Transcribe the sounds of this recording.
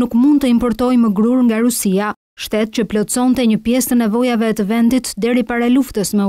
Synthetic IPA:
ukmund̪̚t̪əimpɔɾt̪ɔjməɡɾuɾŋɡaɾusia | ʃt̪ɛt̪̚t͡ɕəplɔt͡sɔnt̪ɛɲəpjɛst̪ənɛvɔjavɛːt̪əvɛnd̪it̪d̪ɛɾipaɾaluft̪əsmɛ

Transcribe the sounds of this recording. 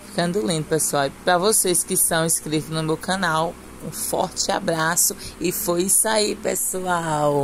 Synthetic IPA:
fi̥kɐ̃nd̪ʊlĩnd̪ʊpesuawpɾɐvoseskɪst̪ɐ̃w̃ĩskɾit̪ʊznʊmewkɐ̃naw | ũfɔ̰ɾt͡ʃɪa̰bɾasʊɪfojisaipesuaw

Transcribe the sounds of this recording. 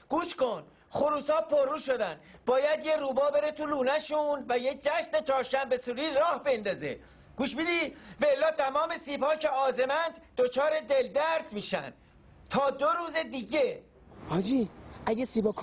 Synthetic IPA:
ɡ̥uːʃko̞n | χoɾuːsɒːpʰoɾruːʃo̞d̪ænd̪bɒːjæd̪jeɾuːbɒːbe̞ɾet̪ʰuluːnæʃunvæjec̚d͡ʒæʃnet͡ʃʰɒːɾʃæmbe̞suːɾiːɾɒːhbe̞nd̪ɒːzḛ | ɡ̥uːʃbmid̪ivæelːɒːt̪ʰæmɒːme̞siːbhɒːcʰe̞ɒːze̞mænd̪̥d̪ot͡ʃʰɒːɾe̞d̪e̞ld̪æɾd̪miːʃæ̰nd̪ | t̪ʰɒːd̪oɾuːzed̪iːɟe | hɒd͡ʒiæɡesiːbɒkʰ

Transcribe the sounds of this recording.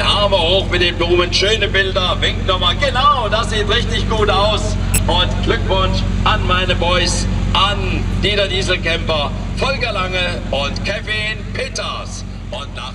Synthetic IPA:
aɐmɐhoːxmɪt̚d̥eːmbluːmənʃøːnəbɪldɐvɪŋk̚tnɔmaːlɡənaʊdasz̥iːtʁɪçtɪçɡ̥uːtaʊs | ʔʊntɡ̥lʏkvʊnʃʔanmaɪnəbɔʏsʔand̥iːdɐdiːzl̩kɛmpɐfɔlɡɐlaŋəʔʊntkʰɛfɪnpʰeːtɐs | ʔʊntda̰

